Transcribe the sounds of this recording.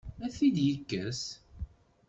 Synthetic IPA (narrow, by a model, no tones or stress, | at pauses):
æθid̪jəkːəs